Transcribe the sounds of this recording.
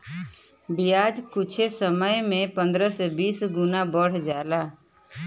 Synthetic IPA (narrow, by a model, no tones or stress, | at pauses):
bɪjaːd͡ʒkʊt͡ʃʰesəməjmẽpə̃nd̪ɾəsebiːsɡʊnabəɽ̤d͡ʒaːlaː